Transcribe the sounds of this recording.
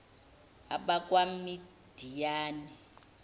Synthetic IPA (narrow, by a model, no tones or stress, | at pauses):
a̰ɓak̬ʼwami | d̥ʱijaːni